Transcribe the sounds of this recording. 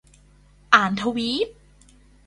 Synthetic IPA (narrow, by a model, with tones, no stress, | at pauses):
ʔaː˨˩˦nt̪ʰa˧wiː˦˥p̚